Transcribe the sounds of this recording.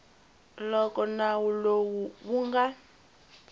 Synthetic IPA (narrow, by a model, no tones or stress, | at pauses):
lɔkɔnawulowuβuŋɡa